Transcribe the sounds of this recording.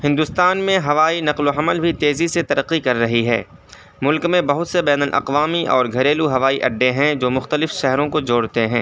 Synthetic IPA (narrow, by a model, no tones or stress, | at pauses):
hɪ̃nd̪ʊst̪aːnmẽɦɐʋaːinɐqloɦɐməlbʱit̪eːziset̪ɐɾəqːikɐɾːɐɦiɦɛ̰ː | mʊlkmẽbɐɦʊt̪sebɛːnəlʔɐ̰qʋaːmiʔɔːɾɡʱɐɾeːluɦɐʋaːiʔɐ̰ɖːẽɦɛ̃d͡ʒoːmʊxt̪əlɪfʃɛɦɾõkod͡ʒoːɽt̪eɦɛ̃ː